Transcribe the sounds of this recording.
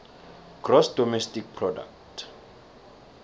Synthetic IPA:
ɡ̥rɔsdɔmɛstik̚pʰrɔda̰ktʰ

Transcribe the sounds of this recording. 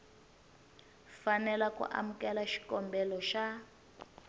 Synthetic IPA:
fanɛlakṵʔa̰mukɛlaʃi̥kɔmbɛlɔʃa

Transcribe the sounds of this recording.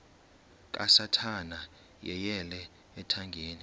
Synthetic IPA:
k̬ʼa̰satʰana | jɛjɛlɛː | tʰaŋɡʱeːni

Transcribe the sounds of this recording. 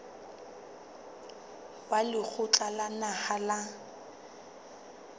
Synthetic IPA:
walɪk͡xʰʊt͡ɬʼalanahala

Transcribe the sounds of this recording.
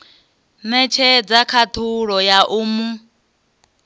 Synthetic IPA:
mɛt͡ʃʰɛd͡zakʰat̪ʰuɺɔjaʔuːmu

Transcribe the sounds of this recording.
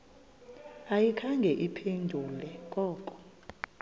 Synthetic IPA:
ajikʰaŋɡʱɛʔipʰendʱulɛk̬ʼɔːkʼɔ̥

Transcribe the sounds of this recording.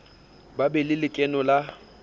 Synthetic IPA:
babɛlɪlɪkʼɛnɔla

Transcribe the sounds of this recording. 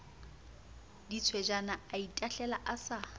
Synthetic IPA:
dit͡sʰwɛd͡ʒanaaitʼaɬɛlaʔasa

